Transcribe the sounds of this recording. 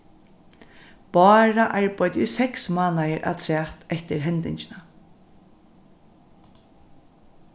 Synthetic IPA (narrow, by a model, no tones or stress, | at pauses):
pɑːɹaʔaɹpɔjt̪ʊsɛksmaːnajəɹʔa̰t̪ʰɾɛːht̪ɛht̪ɪɹɦɛnt̪ɪɲt͡ʃɪna